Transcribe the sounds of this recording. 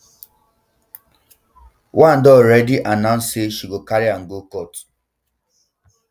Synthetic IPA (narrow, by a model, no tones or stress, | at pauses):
wʔãndɔɹɛdiʔanãʊ̃nsseʃiɡokaɾiãŋ̩ɡokɔt